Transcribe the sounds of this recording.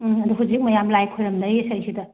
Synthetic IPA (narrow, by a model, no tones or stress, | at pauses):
ɐduɦud͡ʒik̚mɐjamlajkʰːojɾɐmdɐjesɐjsidɐ